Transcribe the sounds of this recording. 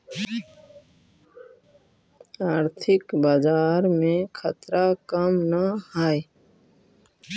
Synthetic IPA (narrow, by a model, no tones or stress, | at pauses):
aːɾt̪ʰɪkbaːd͡ʒaːɾmẽkʰə̰t̪ɾakəmnahaːe